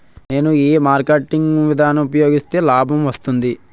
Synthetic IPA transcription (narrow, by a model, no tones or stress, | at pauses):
ne̞ːnuiːmaːɾkeʈːiŋɡʋid̪ʱaːnɐmupɐjo̞ːɡist̪e̞ːlaːbʱɐmʋɐst̪und̪i